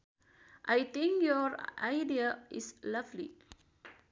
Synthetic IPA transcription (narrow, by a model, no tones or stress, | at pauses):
ʔajt̪ĩŋkjɔɹajdiaʔislavlḭ